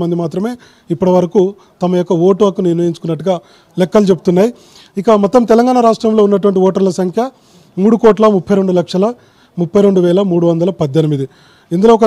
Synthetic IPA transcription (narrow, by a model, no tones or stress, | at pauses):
mɐnd̪imaːt̪ɾɐme̞ː | ipːuɽɐʋɐɾɐku | t̪ɐmɐjokːɐoːʈoːkuniɾnɐjiɲt͡ʃu̥kunːɐʈːuɡaː | lɛkːɐlut͡ʃe̞but̪unːaːji | ikɐmɔt̪ːɐmt̪ɛlɐŋɡaːɳɐɾaːʂʈɾɐmlo̞ːunːɐʈ̬uʋɐɳʈiɔːʈɐɾlɐsɐŋkʰjɐ | muːɽukɔːʈ̬lɐmupʰːɐjɾe̞ɳɖulɐkʂɐlɐ | mupʰːɐjɾe̞ɳɖuʋɛːlɐmuːɽuʋɐnd̪ɐlɐpɐd̪ːenimid̪i | ind̪uloːk̬ɐ